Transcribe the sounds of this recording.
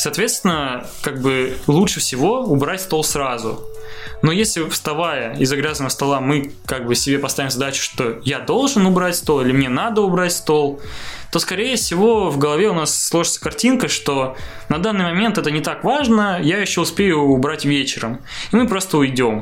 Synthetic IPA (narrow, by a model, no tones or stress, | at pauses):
sɐːt̪vʲe̞t̪st̪ʲɪnə | kaɡ̚bɨlˠuʂɨfsʲɪvo̞ʊbɾatʲst̪o̞lˠsɾazʊ̰no̞jesʲlʲɪfst̪ɐvajəɪzɐɡɾʲazənəəst̪ɐlˠamɨ | kaɡ̚bɨsʲɪbʲe̞pɐst̪avʲɪmzɐd̪at͡ɕʊ̥ʂt̪o̞jad̪o̞lˠʐɨnʊbɾatʲst̪o̞lˠilʲɪmnʲe̞nad̪əʊbɾatʲst̪o̞lˠt̪o̞skɐɾʲejəfsʲɪvo̞vɡəlˠɐvʲe̞ʊnasːlˠo̞ʐɨt̪sə̥kɐrtʲinkəʂt̪o̞ | nɐd̪anːɨjmɐmʲent̪ɛt̪ənʲɪt̪akvaʐnəjajɪɕːoʊspʲejʊːbɾatʲvʲet͡ɕɪɾəm | imɨpɾo̞st̪əʊɪdʲo̞m